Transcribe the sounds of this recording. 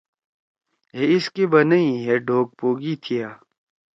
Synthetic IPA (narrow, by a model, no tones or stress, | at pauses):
ɦeɪskebɐnəiɦeɖʱoːk̚poːɡit̪ʰijaː